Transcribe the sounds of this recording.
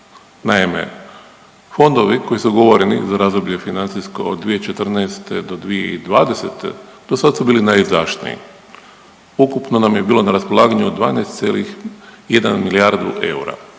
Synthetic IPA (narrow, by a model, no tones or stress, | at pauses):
naimḛ | fo̞nd̪o̞ʋiko̞jisuɡo̞ʋo̞ɾenḭzaɾazd̪oblʎe̞finant̪sisko̞o̰d̪ːʋijet͡ʃe̞t̪r̩nɛst̪e̞d̪o̞d̪ʋije̞̰id̪ʋaːd̪e̞se̞t̪ʰḛ | d̪̥o̞sad̪asubiːlinajizaʃnḭḭ | ukupno̞namjebiːlˠo̞naɾaspolˠaːɡaɲuod̪d̪ʋaːnejst̪sjeːlixjed̪a̰nmiliaɾd̪uʔe̞̰ṵɾa̰